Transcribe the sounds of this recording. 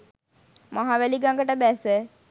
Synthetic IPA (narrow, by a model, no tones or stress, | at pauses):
maɦaʋæliɡaŋɡəʈəbæsə